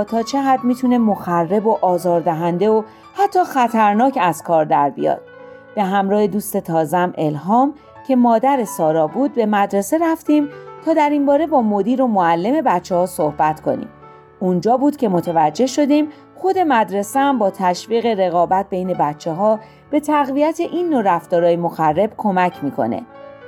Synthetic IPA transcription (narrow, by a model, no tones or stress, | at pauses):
t̪ʰɒːt͡ʃʰe̞ɣæd̪miːt̪ʰune̞mo̞xærːe̞bo̞ʔɒːzɒːɾd̪æɦænd̪e̞o | hæt̪ʰːɒːxæt̪ʰæɾnɒːcæz̥kʰɒːɾd̪æɾbḭjɒ̰ːd̪̥ | b̥e̞ɦæmɾɒːhed̪uːst̪e̞t̪ʰɒːzæmʔe̞lɦɒːm | cʲʰe̞mɒːd̪æɾe̞sɒːɾɒːbuːd̪̚be̞mæd̪ɾe̞se̞ɾæft̪iːmt̪ʰɒːd̪æɾinbɒːɾe̞bɒːmo̞d̪iːɾo̞moælːe̞me̞bæt̪t͡ʃːehɒːso̞hbæt̪kʰo̞̰nḭːm | und͡ʒɒːbuːd̪cʲʰe̞mo̞t̪ʰevæd͡ʒːe̞ʃo̞d̪iːm | xo̞d̪e̞mæd̪ɾe̞seæmbɒːt̪ʰæʃviːɣe̞ɾe̞ɣɒːbæt̪̚be̞jne̞bæt̪t͡ʃʰːeɦɒː | b̥e̞t̪ʰæɣvijæt̪ʰe̞ʔinːoɾæft̪ɒːɾɒːjemo̞xærːe̞b̥kʰo̞mæcʰmiːkʰo̞̰ne̞̰